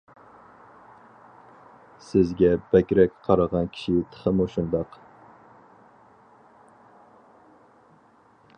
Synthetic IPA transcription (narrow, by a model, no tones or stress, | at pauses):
sɪzɡʲɛbɛkʲɾɛkʲqʰɑɾɑʁɑnkʲʰi̥ʃɪt̪ʰə̥χəmuʃund̪ɑq